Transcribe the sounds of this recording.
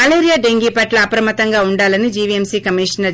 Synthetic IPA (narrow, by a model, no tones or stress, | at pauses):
ɐleːɾijaːɖeŋɡiːpɐʈlɐːpɾɐmɐt̪ɐŋɡaːuɳɖaːlɐnid͡ʒiːʋiemsiːkɐmiːʃɐnɐɾ